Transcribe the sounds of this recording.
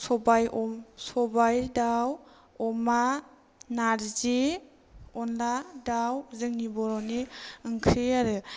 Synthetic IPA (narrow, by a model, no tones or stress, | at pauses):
sɔbajʔɔmsɔbajdaw | ɔma | naɾzi | ɔnladawzɯŋnibɔɾɔniɯŋkʰɾiaɾɯ